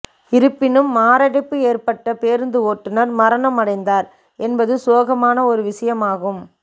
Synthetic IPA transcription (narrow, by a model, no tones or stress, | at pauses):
ɪɾɯpːɪnɯmːaːɾɐɽɐɪpːɯeːɾpɐʈːɐpeːɾnd̪ɯoːʈːɯnɐɾmɐɾɐnɐmɐɽɐɪnd̪aːɾ | ɛnbɐðɯsoːɣɐmaːnɐɔɾɯʋɪʂɐjɐmaːɣɯm